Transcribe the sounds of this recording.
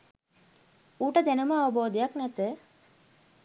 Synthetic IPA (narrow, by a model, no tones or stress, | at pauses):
uːʈəd̪ænuməaʋəboːd̪ejaknɛt̪ə